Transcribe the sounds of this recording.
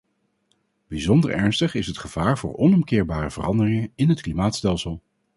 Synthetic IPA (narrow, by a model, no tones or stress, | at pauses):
b̥izɔndə̰ɹɛ̰ɹnstəχɪsɦətχəv̥aːɹvʊ̰ːɹɔnɔmkɪːɹbaːrəvə̰rɑndərɪŋəɪnɦətklimaːtstɛlˠsəlˠ